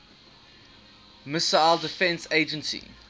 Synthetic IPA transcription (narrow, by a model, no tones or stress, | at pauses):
mɪsaɪlˠdɪfɛ̃nseːd͡ʒə̃nsḭ